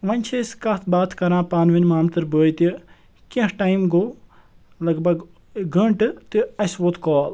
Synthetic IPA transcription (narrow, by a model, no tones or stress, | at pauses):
ʋɐnʲt͡ʃʰeskɐt̪ʰbaːt̪ʰkɐɾãːpaːnʋinmaːmt̪ɨɾbəːjt̪i | kẽhʈaːjmɡoː | lɐɡbɐɡ | ɡɐɳʈɨt̪ɨɐsʋoːt̪kɔːl